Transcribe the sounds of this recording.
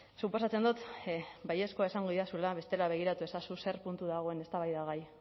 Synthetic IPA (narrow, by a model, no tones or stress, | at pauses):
supo̞sat͡se̞nd̪ut̪baje̞sko̞ae̞saŋɡo̞ðiɾasulaβe̞st̪e̞laβ̞e̞ɣ̞iɾat̪ue̞sasuse̞rpunt̪uðaɣ̞o̞e̞ne̞st̪aβajðaɣ̞aj